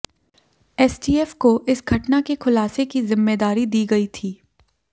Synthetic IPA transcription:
ɛːsɖiːɛfkoʔɪsɡʱɐʈnakexʰʊlaːsekizɪmːeːd̪aːɾid̪iːɡɐit̪ʰiː

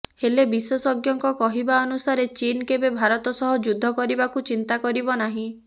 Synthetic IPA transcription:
helebiswɔsɔɡjɔŋkɔkɔɦibaɔnusaɾet͡ʃinkebebʱaɾɔt̪ɔsɔɦɔd͡ʒud̪ʱːɔkɔɾibakut͡ʃint̪akɔɾibɔnaɦĩ

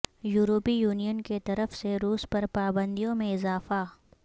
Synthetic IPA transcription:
juːɾoːpijuːnijənket̪ɐɾəfseɾuːspɐɾpaːbə̃nd̪ijõmẽɪzaːfa

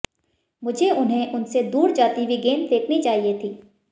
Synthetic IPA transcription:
mʊd͡ʒʱeʊnɦẽʔʊnsed̪uːɾd͡ʒaːt̪iʋiɡeːnt̪eːkʰnit͡ʃaːɦiet̪ʰiː

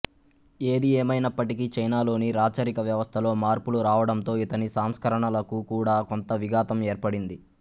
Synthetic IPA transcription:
e̞ːd̪ieːmɐjnɐpːɐʈikit͡ʃɐjnaːlo̞ːniɾaːt͡ʃɐɾikɐʋjɐʋɐst̪ʰɐlo̞ːmaːɾpuluɾaːʋɐɽɐnt̪o̞ːit̪ɐnisaːmskɐɾɐɳɐlɐkukuːɽaːko̞nt̪ɐʋiɡaːt̪ɐme̞ːɾpɐɽind̪i

